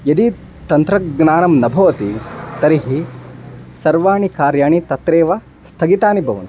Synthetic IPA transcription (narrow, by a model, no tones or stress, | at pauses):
jɐd̪i | t̪ɐnt̪ɾɐɡnaːnɐmnɐbʱɐʋɐt̪it̪ɐɾiɦi | sɐɾʋaːɳikaːɾjaːɳit̪ɐt̪ɾeːʋɐ | st̪ʰɐɡit̪aːnibʱɐʋɐ̰nt̪u̥